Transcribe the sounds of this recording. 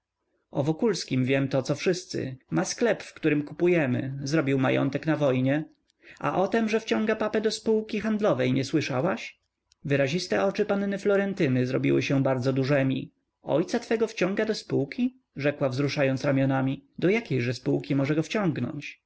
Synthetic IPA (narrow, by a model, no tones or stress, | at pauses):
ʔɔvɔkulskʲimvʲjɛmt̪ɔt̪sɔfʂɘst̪sɘ̰masklɛpfkt̪uɾɘmkupujɛmɘ̰zɾɔbʲiwma̰jɔ̰nt̪ɛknavɔjɲɛ | ʔa̰ʔɔt̪ɛmʐɛft͡ɕɔ̃ŋɡapapɛd̪ɔspuwkʲixand̪lɔvɛjɲɛswɘʂawaɕ | vɘɾaʑist̪ɛʔɔt͡ʂɘpanːɛflɔɾɛnt̪ɘnɘzɾɔ̰bʲḭwɘ̰ɕɛbaɾd̪zɔd̪uʐɛmʲḭ | ɔ̰jt̪sat̪fɛɡɔft͡ɕɔ̃ŋɡad̪ɔspuwkʲi | ʐɛkwavzɾuʂajɔnt̪sɾamʲjɔnamʲid̪ɔjakʲejʐɛspuwkʲimɔʐɛɡɔft͡ɕɔ̃ŋɡnɔ̰ɲt͡ɕ